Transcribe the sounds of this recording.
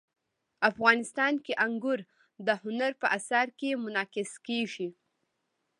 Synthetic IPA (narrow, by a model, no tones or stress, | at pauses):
afɣɑnɪst̪ɑnkeʔaŋɡʊɾ | d̪əhʊnaɾpəʔasaɾkemʊnɑkɪskeʒi